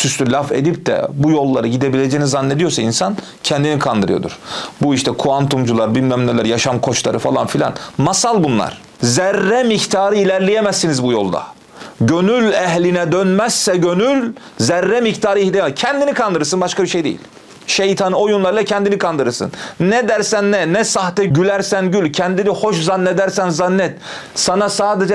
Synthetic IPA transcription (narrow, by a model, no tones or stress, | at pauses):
syst̪ylʲafḛd̪ip̚d̪ɛ̰bujo̞lˠːaɾɯɟid̪ebilʲed͡ʒejinizanːed̪ijo̞ɾsainsan | cʰɛnd̪inikʰand̪ɯɾɯ̰jod̪ṵɾ̥buiʃt̪ʰɛkʰuant̪ʰumd͡ʒulˠaɾbilʲmæmnʲɛlʲæɾjaʃamkʰo̞t͡ʃlˠa̰ɾɯfalˠa̰nfilʲa̰nmasalˠbunlˠa̰ɾ̥ | zæɾːɛmikt̪ʰaːɾɯilʲæɾlʲijemæsːinizbujo̞̰lˠd̪a̰ | ɟønylʲɛɦlʲinɛd̪ønmæzːɛɟønyl | zæɾːɛmikt̪ʰaːɾɯihlʲijɛmɛcʰɛnd̪inikʰand̪ɯɾɯɾsɯnbaʃkabiɾʃejd̪ḛjilʲ | ʃejt̪ʰanɯo̞junlˠaɾɯlˠacʰɛnd̪inikʰand̪ɯɾɯɾsɯ̰nnɛd̪æɾsænːɛnɛsaht̪ɛɟylæɾsænɟylʲcʰɛnd̪iniho̞ʃzanːɛd̪æɾsænzanːɛt̪ | sanasaːd̪ed͡ʒɛ